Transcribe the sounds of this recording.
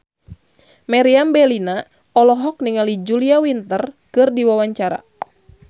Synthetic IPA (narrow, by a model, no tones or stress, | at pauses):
maɾiambɛlina | ɔlɔɦɔk̚niŋalid͡ʒuliawint̪ərkɨrdiwawaɲt͡ʃaɾa̰